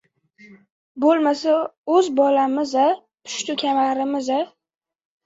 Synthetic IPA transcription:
bolˠmasaɵzbɒlamɪza | pʰʊ̥ʃt̪ʊkʲʰamaɾɪmɪza

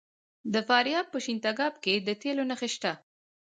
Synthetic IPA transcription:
d̪əfɑɾjɑb̚pəʃint̪aɡɑb̚ked̪ət̪elonaxeʃt̪a

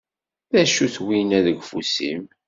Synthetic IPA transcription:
ðæʃuθwinæðəɡfṵsḭm

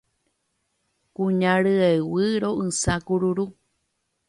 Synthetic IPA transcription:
kuɲãɾɨewɨɾoʔɨsakuɾuɾu

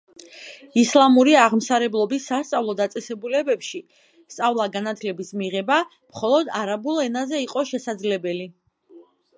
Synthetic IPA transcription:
islˠamuɾiaʁmsaɾɛblˠɔbisːast̪sʼavlˠɔd̪at̪sʼɛsɛbulɛbɛpʃi | st̪sʼavlˠaɡanat̪ʰlɛbismiʁɛba | mχɔlˠɔd̪aɾabulˠɛnazɛiqʼɔʃɛsad̪zlɛbɛli

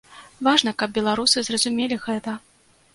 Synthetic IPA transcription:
vaʐnɐkɐb̚bʲɛlˠaɾusɨzrɐzumʲelʲiɣɛt̪ɐ

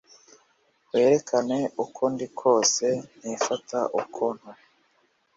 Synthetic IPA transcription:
we̞ːɾe̞kʰane̞ukʰundikʰo̞ːse̞n̥ifatʰaʔukʰon̥o

